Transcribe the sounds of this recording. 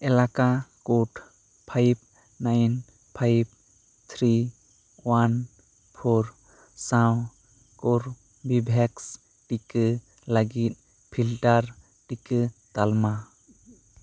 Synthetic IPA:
ɛlakakoʈʰ | pʰajb̚ | najn | pʰajb̚ | t̪ʰɾi | wan | pʰoɾ | sãw | kɔɾ | bibʱɛks | ʈikɨ | laɡit̪̚ˀ | pʰilʈaɾ | ʈikɨt̪alma

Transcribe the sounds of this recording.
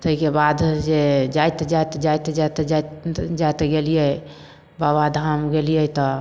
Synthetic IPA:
t̪əɦikebad̪d͡ʒed͡ʒajt̪d͡ʒajt̪d͡ʒajt̪d͡ʒat̪d͡ʒad͡ʒajt̪eɡelijɛ | babad̪ʱamɡelijət̪ɔ

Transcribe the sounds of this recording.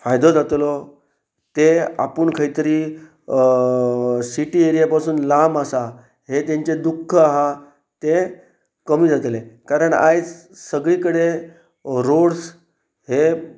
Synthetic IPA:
fajd̪od͡zat̪lɔ | t̪ea̰puɳkʰəit̪əɾiː | siʈiːeɾijapasuːnlamasa | ɦet̪jãɲt͡ɕed̪ukʰːəaɦa | t̪e | kəmiːd͡zat̪lekaɾəɳa̰jd͡z | səɡɭiːkəɽe | ɾoɽs | ɦe

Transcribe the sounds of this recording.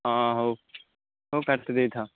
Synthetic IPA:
ɦãːɦoː | ɦoːkəɾt̪ːd̪eːt̪ʰaː

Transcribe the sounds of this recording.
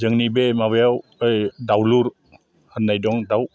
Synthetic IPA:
zɯŋnibemaβajawjdawluɾ | hanːajdɔŋdaw

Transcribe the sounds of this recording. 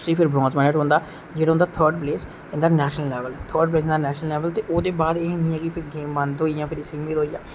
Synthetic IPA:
sipʰɪɾbɾɔ̃ːnzmɛːnəʈɦõːnd̪aː | d͡ʒeːɽãːʊ̃ːnd̪aːt̪ʰəːɾɖpleːs | ẽnd̪aːnɛːʃnəlːɛːʋəlt̪ʰəːɾɖ̚pleːsnd̪aːnɛːʃnəlɛːʋəlt̪eːʔoːd̪eːbaːd̪eːɦnĩːɛ̃ːkɪpʰɪɾɡeːmbə̃nd̪ɦoːijãːpʰɪɾɪsiːmʋiːd̪oːijã̰ː

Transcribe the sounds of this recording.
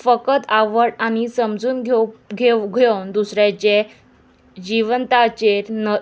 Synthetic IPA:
fəkət̪aʋəɽañisəmd͡zuːnɡʱeɡʱeɡʱend̪usɾjat͡ɕe | d͡ʑiʋənt̪at͡ɕeɾnə

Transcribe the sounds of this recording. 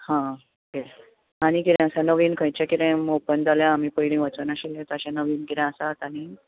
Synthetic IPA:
hã | kel | añikiɾẽəsanəʋiːnkʰə̃jt͡ɕakiɾẽmopənd͡zaljaːmiːpəiɽĩʋət͡snaɕilẽt̪ɔəɕãnəʋiːnkiɾẽəsat̪añi

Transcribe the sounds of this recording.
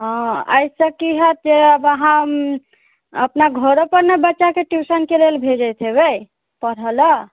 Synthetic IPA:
ɦɔ̃ə̰jsəkiɦət̪̚d͡ʒeəbəɦã | əpnaɡʱəɾopəɾnebətːʃakeʈjusənkelelbʱed͡ʒəjt̪ʰebe | pəɾələ

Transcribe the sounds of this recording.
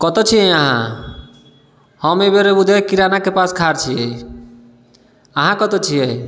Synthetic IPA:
kɔt̪ɔt͡ʃʰiẽaɦã̰ | hɔmebeɾebud̪ʱekiɾanakepaskʰaɾt͡ʃʰie | aɦãkɔt̪ɔt͡ʃʰiej

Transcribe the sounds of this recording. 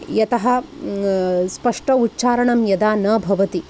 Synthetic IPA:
jɐt̪ɐɦɐ | spɐʂʈɐutːt͡ʃaːɾɐɳɐmjɐd̪aːnɐːbʱɐʋɐt̪i

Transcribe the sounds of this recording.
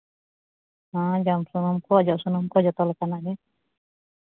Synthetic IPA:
hãd͡ʒamsunɔmkɔd͡ʒɔsunɔmkɔd͡ʒɔt̪ɔlakanade

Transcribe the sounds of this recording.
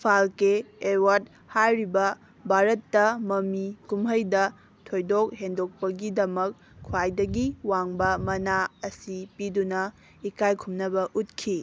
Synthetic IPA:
pʰalkeewat̚ | hajɾibɐ | bʱaɾɐtːɐmɐmikumɦəjdɐ | tʰojdok̚hendok̚pɐɡidɐmɐkʰː | uwajdɐɡiwaŋbɐmɐnaɐsipidunɐ | ikajkʰumnɐbɐʔut̚kʰi

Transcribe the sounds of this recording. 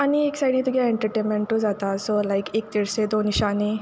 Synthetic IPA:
anieksajɽĩt̪uɡaeɳʈəɾʈẽnmẽɳʈud͡zat̪asolajkek̚t̪iɾsed̪oniʃani

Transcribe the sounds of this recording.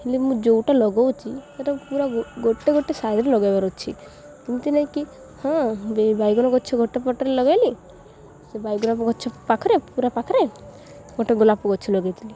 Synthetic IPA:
ilimũd͡ʒowʈalɔɡɔwt͡ʃʰit̪aʈapuɾaɡoʈeɡoʈesaɾɾelɔɡajbaɾɔt͡ʃʰḭ | kint̪unaĩki | hɔ̃bebajɡɔnɔɡɔt͡ʃʰɔɡʱoʈepɔʈɔɾelɔɡajli | sebajɡɔnɔpɡɔt͡ʃʰɔpakʰɔɾepuɾapakʰɔɾe | ɡ̥oʈeɡulapuɡɔt͡ʃʰilɔɡajt̪ʰili

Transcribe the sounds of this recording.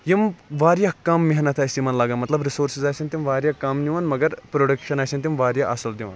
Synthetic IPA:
jimʋaːɾjɐkɐmːiɦnɐt̪ʰaːjsimɐnlaːɡɐnmɐt̪lɐbɾisoːɾsizaːjsʲɐnt̪ʲimʋaːɾjɐkɐmniʋɐnmɐɡɐɾpɾoɖɐkʃɐnaːjsʲɐnʲt̪̬ʲimʋaːɾjɐʔɐsuld̪iʋɐ̰n

